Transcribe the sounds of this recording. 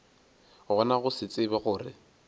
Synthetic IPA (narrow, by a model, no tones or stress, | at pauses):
ɣɔnaɣʊsɪt͡sʼɪbɛɣʊːrɪ̰